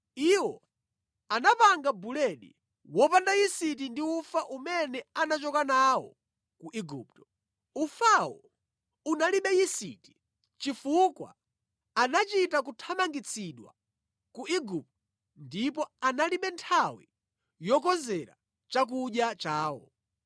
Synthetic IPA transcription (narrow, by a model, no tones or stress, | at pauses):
iwɔ | anapaŋɡabulɛɗḭ | wɔpandajisit̬indiufaʔumɛnɛanat͡ʃɔkanawɔ̰ | kuʔiɡup̚tɔ̥ | ufawɔ | unaliɓɛjisḭti̥ | t͡ʃifukwa̰ː | nat͡ʃitakutʰamaŋɡit͡sʰiɗwa̰ | kuiɡup̚tɔ | ndipɔanaliɓɛntʰawi | jɔkɔzɛɾa̰ | t͡ʃak̬uɗjat͡ʃaːwɔ̰